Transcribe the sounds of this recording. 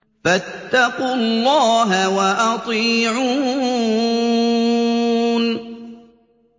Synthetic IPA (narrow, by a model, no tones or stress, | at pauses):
fat̪ːɑqullːɑːɦawaʔɑt̪ˤiʕu | n